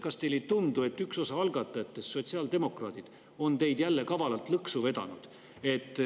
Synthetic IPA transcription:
kɑst̪e̞jlet̪und̪ue̞t̪ːykso̞sɑɑlɡɑt̪ːˑɑjɑt̪ːˑe̞sːo̞t̪siɑld̪e̞mo̞krɑ̰ːd̪̥id̪̥ | o̞nt̪e̞jd̪̥jælːe̞kɑvɑlɑlt̪lɤksuve̞d̪̥ɑ̰nud̪̥ | e̞t̪ːˑ

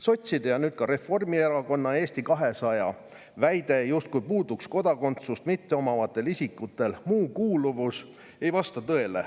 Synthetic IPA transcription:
so̞t̪ʲsid̪ejɑnyːd̪̥̚kɑɾe̞fo̞rmie̞ɾɑko̞nːɑe̞ːsʲt̪ikɑɦe̞sɑjɑ | væjd̪e̞just̪̚kujpuːd̪uksko̞d̪̥ɑko̞nt̪sust̪mit̪ːeo̞mɑvɑt̪ːˑe̞lisikːˑut̪ːˑe̞lmuːkuːluvus | e̞jvɑst̪ɑt̪ɤ̞e̞lḛ

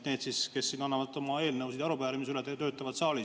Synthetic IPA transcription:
t̪neːd̪̥siske̞sːiːnːɑnːɑvɑd̪ˑo̞mɑe̞ːlnɤwsid̥̪ɑɾupæːɾimisylɛt̪ːet̪ø̞ːt̪ːˑɑvɑd̪̥sɑːli

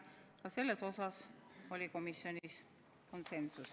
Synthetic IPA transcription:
kɑse̞lːe̞so̞sɑso̞lʲiko̞misːio̞nʲis | ko̞nse̞nsus

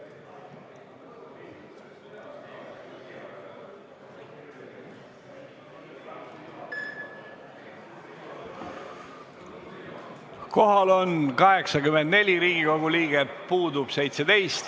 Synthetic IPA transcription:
ko̞ɦɑlo̞nkɑɦe̞ksɑkymend̪ne̞lʲiɾiːɡiko̞ɡ̥uliːɡ̥epuːd̪ub̥se̞jt̪se̞d̪e̞jst̪

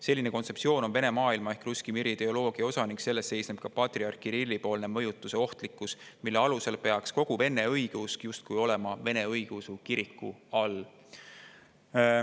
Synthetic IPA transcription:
se̞lːine̞ko̞nt̪se̞psio̞ːno̞nve̞ne̞mɑːilmɑehkruskimiɾit̪e̞olo̞ːɡ̥iɑo̞sɑniŋkse̞lːe̞stːse̞jsneb̥kɑpɑt̪riɑrkiɾilʲːipo̞ːlne̞mɤjut̪ːˑuse̞o̞ht̪likːˑusmilːe̞ɑluse̞lpe̞ɑksko̞ɡ̥uve̞nːe̞ɤjɡ̥uskjust̪̚kujo̞le̞mɑve̞ne̞ɤjɡ̥usukiɾikːˑuɑl

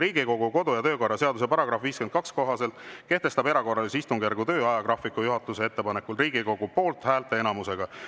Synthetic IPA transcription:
ɾiːɡiko̞ɡ̥uko̞d̪ujɑt̪ø̞ːko̞rːɑse̞ɑd̪us̬epɑɾɑɡɾɑfviːsken̚kɑksko̞ɦɑse̞lt̪ˑke̞ht̪e̞st̪ɑbe̞ɾɑko̞rːɑlesist̪uŋɡ̥ærɡut̪ø̞ːɑjɑɡ̥rɑfikujuɦɑt̪ːˑuseet̪ːe̞pɑnekːˑulriːɡ̥iko̞ɡ̥upo̞ːlt̪ˑhæːlt̪e̞enɑmuse̞ɡ̥ɑ

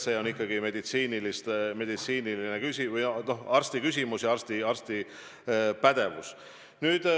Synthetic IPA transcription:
se̞o̞nikˑːɑɡ̥ime̞d̪̥it̪siːnilist̪me̞d̪̥it̪siːnilinekysʲivɯjno̞hɑrst̪ikys̬ʲimusjɑɑrst̪iɑrst̪i | pæd̪̥e̞vṵs | nyːd̪̥

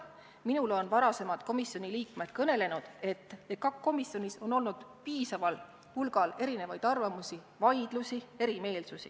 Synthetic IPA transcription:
minulo̞nvɑɾɑse̞mɑd̪̥ko̞misjo̞nʲiliːkme̞d̪̥̚kɤne̞le̞nud̪̥e̞t̪ːekɑkko̞misjo̞nʲiso̞no̞lnud̪̥piːsɑvɑl | hulɡ̥ɑle̞ɾine̞vɑjd̪̥ɑrvɑmusi | vɑjd̪̥lusie̞ɾime̞ːlsusḭ

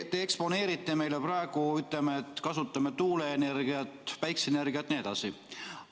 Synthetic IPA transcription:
t̪eekspo̞ne̞ːɾit̪ˑːeme̞jle̞prɑeɡ̥uyt̪ˑlemeet̪ːˑkɑsut̪ˑːɑmet̪uːleːnerɡ̥iɑt̪pæjksene̞rɡiɑt̪ːˑnie̞d̪ɑsi

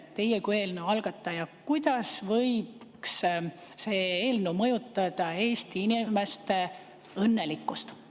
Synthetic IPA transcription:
t̪ːe̞jekue̞lnuɑlɡ̥ɑt̪ˑːɑjɑkujd̪̥ɑsvɤjb̚ksse̞ːeːlnumɤjut̪ːˑɑd̪̥ɑe̞ːst̪iinime̞st̪e | ɤnːe̞likːˑust̪

